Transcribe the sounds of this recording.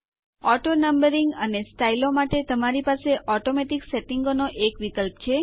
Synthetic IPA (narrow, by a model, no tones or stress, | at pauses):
ɔʈonəmbəɾiŋɡənesʈailomaʈet̪əmaɾipaseʔɔʈomeʈikseʈiŋɡonoʔekʋikəlpt͡ʃʰe